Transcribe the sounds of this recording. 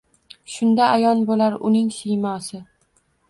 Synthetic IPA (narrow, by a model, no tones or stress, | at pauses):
ʃʊnd̪aʔajɒnbolaɾʊnɪŋsɪjmɒsɪ